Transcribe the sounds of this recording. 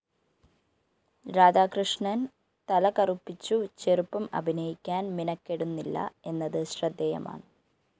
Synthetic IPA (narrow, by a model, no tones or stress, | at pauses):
ɾaːd͡ʑaːkrɨʂɳɐn | t̪ɐlɐkɐrupːit͡ɕːut͡ɕerupːɐmɐ̰bʱinɐjikʲːaːnminɐkːeɽunːilːɐ̰e̞nːɐðɨɕrɐd̪ːɐjɐ̰ma̰ːɳɨ